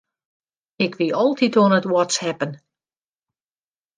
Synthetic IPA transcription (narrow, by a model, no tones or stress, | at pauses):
ɪkʋiɔlˠtʰitonətwɔtshɛpən